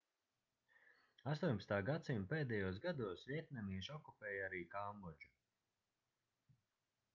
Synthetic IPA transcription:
ast̪uːɲʲpast̪aːɡat̪simpeːd̪ɛjuːsɡad̪uɔsvʲiɛt̪̚nʲɛmiːʒɔkupɛːjaɾiːkaːmɔd͡ʒu

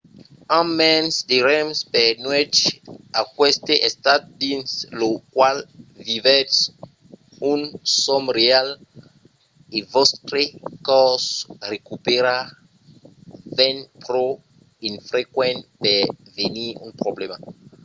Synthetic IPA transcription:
ãmɛ̃nsd̪eɾɛmspɛnwɛt͡ʃakwɛst̪eʔest̪at̪dĩnslokwalvivɛts | ũnsɔmɾeal | evɔst̪ɾekɔsrekupeɾa | vɛ̃npɾo | ĩnfɾekwɛ̃ntpɛveniṵ̃npɾoblema̰

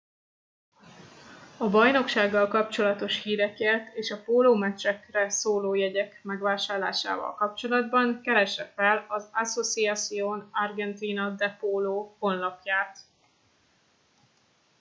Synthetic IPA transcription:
ɒbɒjno̞kʃaːɡːɒlkɒpt͡ʃo̞lɒt̪o̞ʃhiːɾɛkeːrt̪eːʃɒpoːloːmɛt͡ʃɛkrɛsoːloːjɛɟɛkmɛɡʋaːʃaːrla̰ːʃa̰ːvɒ̰lkɒp̚t͡ʃo̞lɒd̪bɒŋkɛɾɛʃɛfɛlɒzaso̞t̪siat̪sijoːnɒrɡɛnt̪iːnɒd̪ɛpoːloːho̞nlɒpjaːt̪

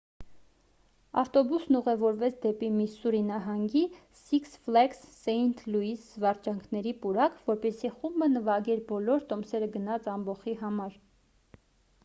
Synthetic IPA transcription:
ɑft̪ɔbusnuʁɛvɔɾvɛt͡sʰd̪ɛpimisuɾinɑɦɑŋɡi | siksflɛksːɛnt̪ʰluisvɑɾt͡ʃɑŋkʰnɛɾipuɾɑkʰvɔɾpɛsiχumbənəvɑɡɛɾbɔlɔɾt̪ɔmsɛɾəɡənɑt͡sɑmbɔχiɦɑmɑɾ

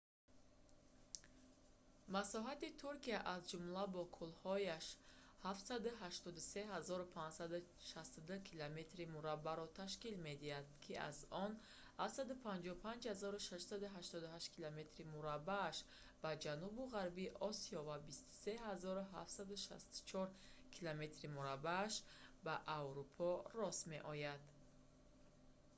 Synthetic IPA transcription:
masɔɦat̪it̪ʰuɾkiaʔazd͡ʒumlabɔkʰulhɔjaʃhafsad̪uɦaʃt̪ɔd̪use̞ɦazɔɾupʰãnd͡ʒsad̪u | ʃast̪ud̪ukʰilome̞t̪ɾimuɾabːaɾɔt̪ʰaʃkilme̞d̪ihad̪kʰia̰zɔn | hafsad̪upʰãnd͡ʒɔupʰãnd͡ʒhazɔɾuʃaʃsad̪uɦaʃt̪ɔd̪uɦaʃt̪kʰilome̞t̪ɾimuɾabːaːʃ | b̥ad͡ʒanubuʁaɾbiʔɔsiɔvabist̪u̥se̞ɦazɔɾuɦa̰ft̪sad̪uʃa̰st̪u̥t͡ʃʰɔɾkʰilome̞t̪ɾimuɾabaːʃbaʔavɾupʰɔrɔsme̞̰ʔɔjad̪

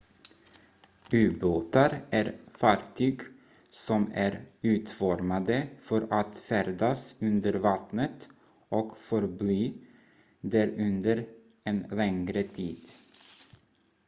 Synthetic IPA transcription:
ʉːboːt̪aɾʔæːɾfɑːɾt̪ʰyːɡ | sɔmæːɾʉːt̪fɔɾmad̪əfɔɾat̪fæɾd̪asʉnd̪əɾvɑt̪nət̪ | ʔɔkfɔɾblyː | d̪æɾʉnd̪əɾ | eːnlɛŋɾət̪ʰiːd̪̥

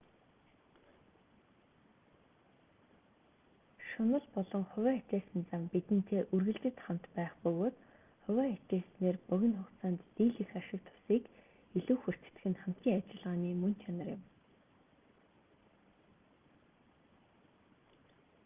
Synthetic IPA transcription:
ʃʊnə̆ɮpɔɮɞ̆ŋχʊwæːt̪ʲaːsɘ̆nt͡sampit̪ɘ̆n̥t̪ʰeːʔɵrɣɘ̆ɮt͡ɕɘ̆t̪χam̥t̪pæːχpɵɣoːt̪ | χʊwæːet̪eːsneːrpɵɣʲɪ̆nχʊχt̪saːnt̪ːiːɮɘ̆xaʃɪ̆k̚t̪ʰʊ̥siːk | iɮuːxɵr̥t̪̆ʰt̪ɘ̆xɘ̆nχam̥t̪ʲiːŋat͡ɕɪ̆ɮʁaːniːmɵnt͡ɕʰanə̆rjɪ̰̆m

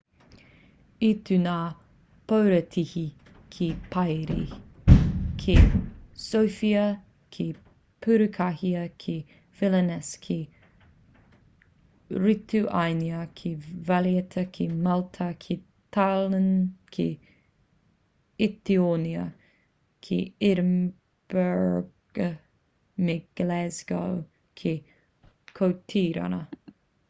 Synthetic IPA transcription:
itʰunaː | powɾətʰihi | kʰepʰajɾḭ | kʰesowfiɐ | kʰe | pʰʉɾʉkʰahiəkʰe | fɪlɛnɛskʰe | ɹituʔajniəkʰevaljət̪ʰəkʰiːmalt̪ʰəkʰiː | t̪ʰalənkʰi | ɪt̪ioːnjə̰ | kʰḭːɪɾm | b̥ɛɹɡ̥ə | mɪɡ̥lɛzɡo̰w | kʰiː | kʰoːt̪ʰiːɾa̰nə

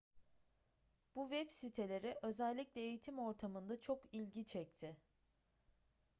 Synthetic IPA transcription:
b̥uvɛbsit̪ʰe̞lʲe̞ɾɪʔø̞zælʲːiclʲɛejit̪ʰimo̞ɾt̪ʰamɯnd̪at͡ʃʰo̞kilʲɟit͡ʃʰɛc̚t̪ʰɪ

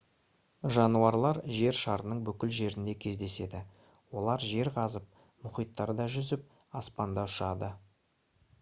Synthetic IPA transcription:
ʒɑnuɑɾlˠɑɾʒe̞ɾʃɑɾənəɴbʏkʲɪlʒe̞ɾɪnd̪e̞kʲʰe̞zd̪e̞se̞d̪ɪ | wo̞lˠɑɾʒe̞ɾqʰɑzəp̚ | mʊχijt̪ːɑɾəd̪ɑʒʏzɪp̚ | ɑspɑnd̪ɑʊʃɑd̪ə

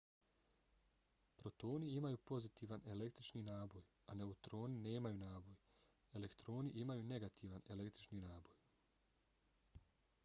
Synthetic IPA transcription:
pɾo̞t̪o̞ːniimajuːpo̞zit̪iːʋane̞le̞k̚t̪ɾit͡ʃninaːbo̞j | ane̞ut̪ɾo̞ːnine̞ːmajuːnaːbo̞j | e̞le̞kt̪ɾo̞ːniʔimajuːne̞ɡat̪ʰiʋane̞lekt̪ɾit͡ʃniːnaːbo̞j

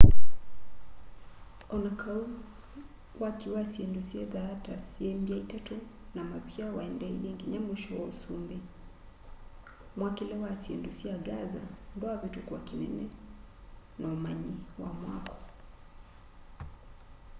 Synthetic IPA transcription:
ɔnakʰau | wakiwasiɛndusiɛðatasiɛmbiaitatu | namaβiawaɛndɛijɛŋɡiɲamwuʃɔwɔusumbi | mwakilɛwasiɛndusiaɡaza̰ndwaaβitukuwakinɛnɛ | naumaɲiwamwakɔ̥

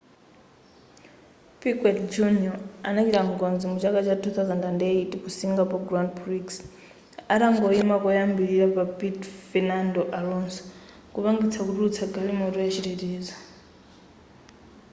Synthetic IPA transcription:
pikwɛtd͡ʒuniɔanat͡ʃiɾaŋɡɔnzimut͡ʃakat͡ʃatʰuθawzandandɛitikusiŋɡapɔɡɾandpʰɾiks | aɾaŋɡɔimakɔjambiɾiɾapapitfɛnandɔʔalɔnsɔ̥ | kupaŋɡit͡sʰakutuut͡sʰaɡalimɔtɔjat͡ʃitɛtiːzɔ

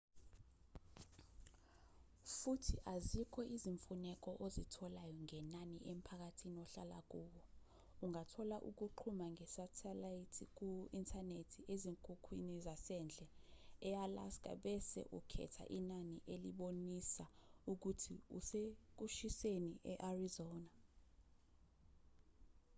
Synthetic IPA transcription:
futʰiʔazikʰɔʔiziɱfunɛk̬ʼɔʔozitʰɔlajɔŋɛnaniʔem̩pʰak̬atʰiniɔɬala̰k̬ʼuːk̬ɔ | uŋatʰɔlaʔuk̬uǃʰumaŋɛsatʰɛlaitʰik̬uintʰʼanetʰieziŋkʼukʰwḭnizasɛnd͡ɮʱɛɛala̰skʼa̰ɓɛsɛ̰ʔṵkʰɛ̰tʰa̰ʔinaniʔeliɓonisauk̬utʰiṵsek̬uʃiseniʔɛʔarizɔːna

